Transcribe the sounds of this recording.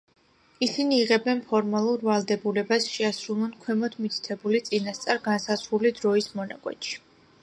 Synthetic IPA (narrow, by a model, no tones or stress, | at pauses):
isiniːʁɛbɛnpʰɔɾmalˠuɾvalˠd̪ɛbulɛbasʃɛasɾulˠɔnkʰwɛmɔd̪ʰmit̪ʰi̥t̪ʰɛbulit̪sʼinast̪sʼaɾɡansazɾulid̪ɾɔismɔna̰kʼwɛ̰t̪ʃi̥